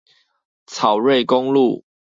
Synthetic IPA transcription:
t͡sʰɑ˨˩ʊɹe˥˨ɪkʊ˦ŋlu˥˨

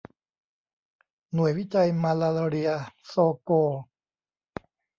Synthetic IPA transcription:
nu˨˩əjwi˦˥˩t͡ɕa˧jmaː˧laː˧lo˧ɾi˧ɐsoː˧koː˧

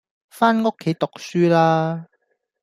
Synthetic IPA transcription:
faː˥nŋo˥kʰːe˨˥jt̪ʊ˨k̚syː˥laː˥

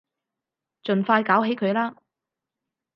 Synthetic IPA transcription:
t͡ʃɵ˨nfaː˧jkaː˨˥wɦe˨˥jkʰɵ˨˧ɥlaː˥

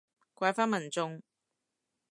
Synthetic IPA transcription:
kʷɐ˧˥jfaː˥nmɐ˨˩nt͡sʊ˧ŋ

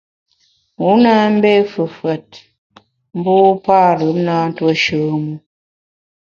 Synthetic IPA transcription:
mu˨˦na˦m̩˦bɛ˦fə˨fwɛ˨t̚ | m̩˦bu˦pa˦lə˨˦mna˦n̩˦twə˦ʃəː˨mu˦

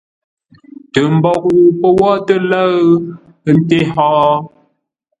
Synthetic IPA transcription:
tə˨m̩˦bɔ˨k̚wu˨pə˦wɔ˦tə˦lə˦ | ə˦n̩˦te˦hɔ˦

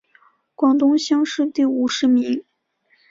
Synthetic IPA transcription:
kwɑ˨˩ŋt̪ʊ˥ŋɕjɑ˥ŋʂɻ̩˥˧t̪i˥˩u˨˩ʂɻ̩˧˥mi˧˥ŋ

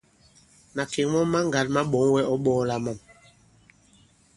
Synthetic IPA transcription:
na˨ke˨ŋmɔ˦ma˦ŋ˨ɡa˨˦t̚ma˦ɓɔ˨˦ŋwɛ˦ʔɔ˦ɓɔː˦la˦ma˨m

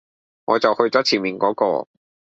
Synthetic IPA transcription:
ŋɔː˨˧t͡sɐ˨whɵ˧ɥt͡sɔː˨˥t͡sʰiː˨˩nmiː˨nkɔː˨˥kɔ̰ː˧

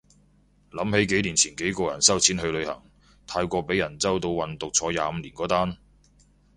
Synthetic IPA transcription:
lɐ˨˥mhe˨˥jke˨˥jliː˨˩nt͡sʰiː˨˩nke˨˥jkɔː˧jɐ̰˨˩nsɐ˥wt͡sʰiː˨˥nhɵ˧lɵ˨˧ɥhɐ̰˨˩ŋ | t̪ʰaː˧jkʷɔː˧pe˨˥jːɐ˨˩nt͡sɐ˥wt̪̬o˧wwɐ˨nt̪ʊ˨k̚t͡sʰɔː˨˥ja̰ː˨˧m̩˨˧liː˨˩nkɔː˨˥t̪aː˥n

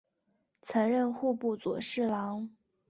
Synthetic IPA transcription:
t͡sʰɤ˧˥ŋɻə˥˧nxu˥˧pu˥˩t͡swɔ˨˩ʂɻ̩˥˩lɑ˧˥ŋ

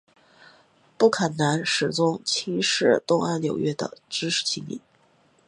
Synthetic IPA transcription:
pu˥˩kʰə˨˩nna˧˥nʂɻ̩˨˩t͡sʊ˥ŋt͡ɕʰi˥ŋʂɻ̩˥˩t̪ʊ˥˧ŋa˥˩nnjo˨˩ʊɥɛ˥d̪ə̰˨ʈ͡ʂɻ̩˥ʂɻ̩˥˩t͡ɕʰi˧˥mḭ˨˩˦n

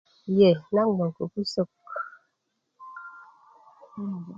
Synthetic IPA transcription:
jɛ˨na˦ŋno˨ŋ˨ko˨ku˦so˦˨k

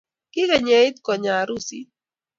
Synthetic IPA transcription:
kɪ˦kɛ˨ɲe˨˦i˦t̪kɔ˨ɲa˨ɾu˦sḭ˦

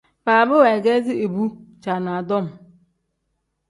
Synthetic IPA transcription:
baː˨bɪ˦wɛ˨ɡɛ˦zɪ˦e˨bu˦t͡ʃa˨na˨dɔ˦˨m

